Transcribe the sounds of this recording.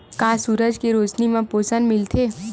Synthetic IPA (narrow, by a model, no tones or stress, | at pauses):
kaːsuːɾəd͡ʒkeɾoːt͡ʃnimẽpoːsənmɪlt̪ʰeː